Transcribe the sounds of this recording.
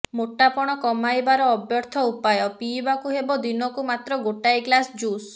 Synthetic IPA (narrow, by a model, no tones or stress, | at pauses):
moʈapɔɽ̃ɔkɔmajbaɾɔːbjɔɾt̪ʰɔupajɔpiːbakuɦebɔd̪inɔkumat̪ɾɔɡoʈajɡlasd͡ʒus